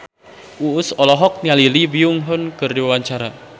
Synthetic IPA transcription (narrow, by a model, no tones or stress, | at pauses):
ʔuʊsɔlɔɦɔk̚nialilibiʊŋɦʊnkərdiwawaɲt͡ʃaɾa